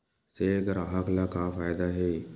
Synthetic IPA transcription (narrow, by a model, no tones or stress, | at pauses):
seːɡɐɾaɦaklakaːfaːjd̪aɦeː